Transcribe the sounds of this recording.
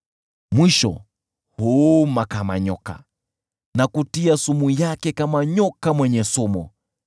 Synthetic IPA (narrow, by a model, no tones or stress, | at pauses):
mwiʃɔ̰ | humakama̰ɲɔka̰ | nakutiasumujakɛkamaɲɔkamwɛɲɛsɔmɔ